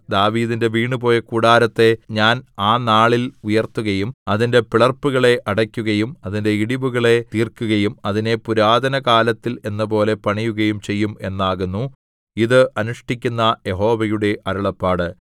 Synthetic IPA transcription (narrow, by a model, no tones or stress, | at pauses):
d̪aːʋiːðinde̞ʋiːɳɨpo̞ːjɐkuːɽaːɾɐt̪ːe̞ɲaːnaːnaːɭilujɐrt̪ːuɣɐjumɐðinde̞piɭɐrpːuɣɐɭe̞ʔɐɽɐkʲːuɣɐjumɐðinde̞iɽiʋuɣɐɭe̞t̪iːrkːuɣɐjumɐðine̞puɾaːd̪ɐnɐkaːlɐt̪ːile̞nːɐp̬o̞ːle̞pɐɳijuɣɐjumt͡ɕe̞jːume̞nːaːɣunːu | iðɨʔɐnuʂʈikʲːunːɐje̞ɦo̞ːʋɐjuɽe̞ʔɐɾɐɭɐpːaːɽɨ